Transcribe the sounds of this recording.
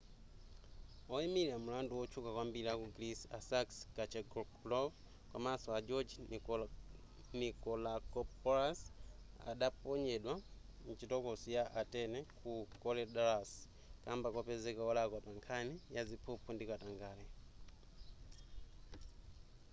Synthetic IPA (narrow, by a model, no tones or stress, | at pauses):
ɔimilamulanduwɔt͡ʃʰukakwambiliakuɡɾisasakskat͡ʃɛɡlɔv | kwamasɔad͡ʒɔd͡ʒ | nikɔlakɔpɔɾas | a̰ɗapɔɲɛɗwa | n̩t͡ʃitɔkɔsijaʔatɛnɛkʰukɔlɛɗalasi̥ | kambakwapɛzɛkaɔlakwapaŋkʰanijazipʰupʰundikataŋɡaːlɛ